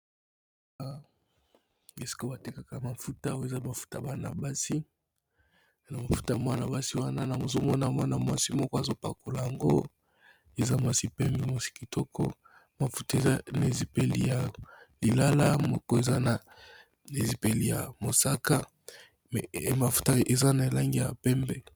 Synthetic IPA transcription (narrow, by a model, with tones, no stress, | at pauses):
a˦ | e˨si̥˨ko˦ba˨te˦ka˨ka˨ma˨fu˦ta˦o˦e˨za˦ba˨fu̥˦ta˨ba˦na̰˨ba˦si˦ | na˨ma˨fu̥˦ta˦˨mwa˦na˨ba˦si˦wa˦na˦na˨mo˨zo˦mɔ˦na˨m˦a˦na˨mwa˨si˦mɔ˦kɔ˦a˨zo˦pa̰˨ko˨la˨ja˨ŋɡo̰˦ | e˨za˦mwa˨si˦pɛ˦mbɛ˨ma˦si̥˦ki˨tɔ˦kʰɔ̰˦ | ma˨fu˦ta˦e˨a˦na˨e˨zi˨pe˨lḭ˦ja˨li˨la˦la˦mɔ˦ko˦e˨za˦na˨ | e˨zi˨pe˨li˨ja̰˨mo˨sa˦ka˦˨ | ma˨fu̥˦ta˦e˨za˦na˨e˨la˦ŋɡi˦ja˨pɛ˦mbɛ˨